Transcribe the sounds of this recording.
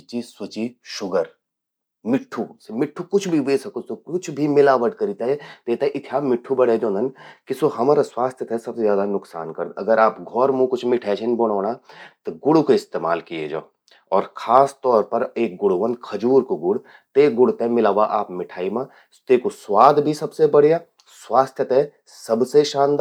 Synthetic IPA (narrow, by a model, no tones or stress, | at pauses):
t͡ʃiswɐt͡ʃiʃʊɡəɾ | mɪʈʰːusmɪʈʰːukʊt͡ʃʰbʱiʋeːsɐkosokʊt͡ʃʰbʱimɪlaːʋəʈkɐɾiːt̪aɦɛd̪̥eːt̪aɦɛʔɪt̪ʰijaːmɪʈʰːubɐɽed͡ʒõːnɐnkisoɦɐmaːɾaswaːst̪ʰjət̪ʰɛsɐbsezjaːd̪anʊksaːnkɐɾd̪ɐɡəɾaːpɡʱɔːɾmũkʊt͡ʃʰmɪʈʰɛːʃənbɐɽ̃ɔːɽ̃at̪oɡʊɽukoɪst̪eːma̰ːlkijḛd͡ʒa̰ː | ɔːɾkʰaːst̪ɔːɾpɐɾeːk̚ɡʊɽuʋənkʰɐd͡ʒuːɾkoɡʊɽ | t̪eːɡʊɽ̤t̪eɦmɪlaːʋaʔaːpmɪʈʰaːimã | t̪eːkoswaːd̪bʱisɐbsebɐɽeja | swaːst̪ʰjət̪ɦɛ | sɐbseʃãːnd̪